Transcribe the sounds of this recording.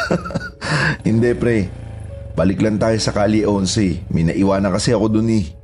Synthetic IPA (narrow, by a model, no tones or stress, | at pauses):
hɪnd̪ɛpɾɛ | bɐlɪklɐnt̪aːjosɐkaljɛʔonsɛmɐjnɐ̰ʔɪwaːnɐŋkɐsɛɐko̞d̪ʊni